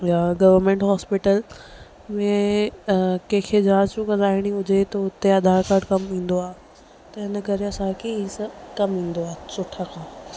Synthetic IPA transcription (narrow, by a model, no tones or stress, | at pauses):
jaɡɐʋəɾmẽːɳʈɦɔːspɪʈəl | mẽ | kɐ̃ɦkʰed͡ʑãːt͡ɕũkɐ̃d̪aːɦɪɽ̃iʊd͡ʑet̪oʊt̪eɐd̪ʱaːɾkaːɾɖkɐmĩːn̆d̪oaːe | t̪ɐɪnəkɐɾeɐsãkʰeisɐbkɐmĩːnd̪oaːsʊʈʰːakʰãː